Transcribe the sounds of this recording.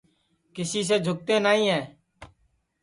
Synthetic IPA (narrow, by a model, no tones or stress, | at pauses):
kɪsiːs̬eːd͡ʒʱʊk̚t̪ẽːnaːĩːɦɛː